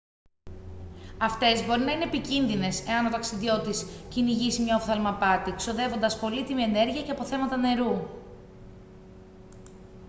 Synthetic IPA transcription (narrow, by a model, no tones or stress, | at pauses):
ɐft̪e̞zbo̞ɾinɐine̞epicinðine̞se̞ɐnot̪ɐksiðjo̞t̪isciniʝisimɲɐofθɐlmɐpɐt̪ikso̞ðe̞vo̞nd̪ɐspo̞lit̪imie̞ne̞ɾʝiɐce̞ɐpo̞θe̞mɐt̪ɐne̞ɾu